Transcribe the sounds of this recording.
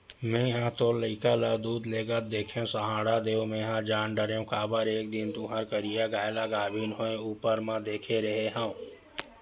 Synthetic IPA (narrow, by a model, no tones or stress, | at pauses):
mẽjɦãt̪oləɪkaləd̪uːd̪leɡət̪̚d̪eːkʰeũsəɦãːɽad̪eũmẽɦãd͡ʒaːnɖəɾeũkabəɾek̚d̪int̪uɦãɾkəɾijaɡaːjlaɡaːbʱinɦoẽupəɾmãd̪eːkʰeɾəɦeɦaũ